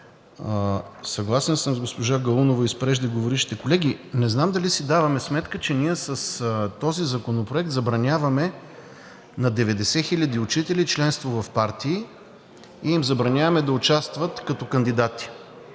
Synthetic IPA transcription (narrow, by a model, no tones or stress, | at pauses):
sɐɡlˠasɛnsəmzɡospoʒaɡɐlˠunovɐispɾɛʒd̪ɛɡovoɾiʃt̪i̥t̪ɛkolɛɡ̟ʲinɛznamd̪ɐlisid̪avɐmɛsmɛt̪kət͡ʃɛniɛsəst̪ɔzizɐkonopɾoɛk̚t̪zɐbɾɐnʲavɐmɛ | nɐd̪ɛvɛd̪ɛsɛxilʲəd̪iʊt͡ʃit̪ɛlit͡ʃlɛnst̪vovɐfpaɾt̪iː | imzɐbɾɐnʲavɐmɛd̪ɐʊt͡ʃast̪vət̪kɐt̪ɔkɐnd̪id̪at̪i̥